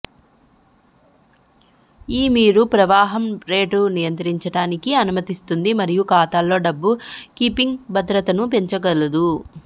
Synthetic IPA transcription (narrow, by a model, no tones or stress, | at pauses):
iːmiːɾupɾɐʋaːɦɐmɾe̞ːʈunijɐnt̪ɾiɲt͡ʃɐʈaːnikiɐnumɐt̪ist̪und̪imɐɾijukaːt̪aːlːo̞ːɖɐbːukiːpiŋɡbʱɐd̪ɾɐt̪ɐnupe̞ɲt͡ʃɐɡɐlɐd̪u